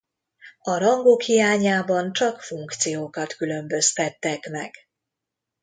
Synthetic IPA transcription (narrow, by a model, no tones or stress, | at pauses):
ɒɾɒŋɡokhijaːɲaːbɒnt͡ʃɒkfuŋkt̪sijoːkɒt̪kylø̞mbø̞st̪ɛt̪ːɛkmɛɡ̥